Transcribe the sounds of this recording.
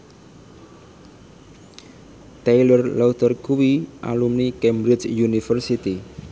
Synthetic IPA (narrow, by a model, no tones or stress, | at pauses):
t̪ejlɔrlɔwt̪ərkuwiʔa̰lumnikɛmbɾɪt͡ʃjunifərsit̪i